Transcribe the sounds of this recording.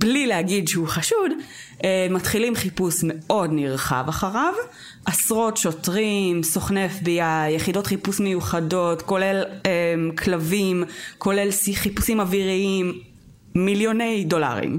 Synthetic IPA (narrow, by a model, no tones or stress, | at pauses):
blilehaɡidʃeuχaʃudematχilimχipusme̞ʔo̞dniʁχa̰vaχaʁav | ʔasʁo̞tʃotʁimsoχne̞fbijajeχido̞tχipusme̞juχado̞tko̞le̞lemkʰlavimko̞le̞lsiχipusimaviʁiimː | iljone̞jdo̞la̰ʁḭm